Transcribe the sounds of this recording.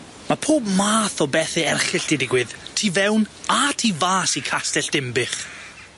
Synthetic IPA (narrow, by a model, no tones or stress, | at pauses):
mapʰoːbmaːθɔbɛθɪɛrχɪɬd̥ɪdɪɡwɪðtʰiːvɛwnatʰiːvaːsikʰastɛɬd̥ɪmbɪχ